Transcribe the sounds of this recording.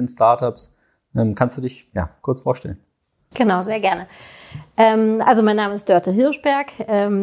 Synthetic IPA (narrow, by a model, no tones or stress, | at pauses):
nstaɐtaps | ʔɛmkʰanstd̥uːdɪçja̰ːkʰʊɐt͡sfoːɐʃtɛ̰lən | ɡ̥ənaʊzeːɐɡɛɐnəʔɛːmʔa̰lzomaɪnːaːməɪstd̥œɐtʰəɦɪɐʃb̥ɛɐkʔɛːm